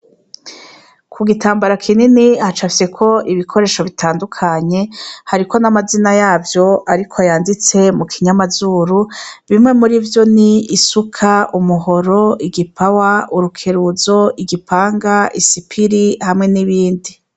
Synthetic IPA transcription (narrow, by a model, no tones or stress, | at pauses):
kʰuɡitaːmbaɾakʰininihat͡ʃafise̞kʰo̞ʔiβikʰo̞ɾe̞ːʃo̞βitaːndukʰaɲe̞haɾiko̞namazinajaːvjo̞ʔaɾikʰoajaːndit͡se̞mukʰiɲamazuːɾuβimŋe̞muɾivjo̞niːsukʰaʔumuɦo̞ɾo̞iɡipʰawauɾukʰe̞ɾuzo̞iɡipʰaːŋɡaʔisipʰiɾihamŋe̞niβiːndi